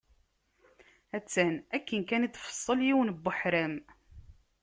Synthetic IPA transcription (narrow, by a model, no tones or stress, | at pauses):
æt͡sːænækːənkænit̪ːfə̥sˤːəljiwnbːəħɾæm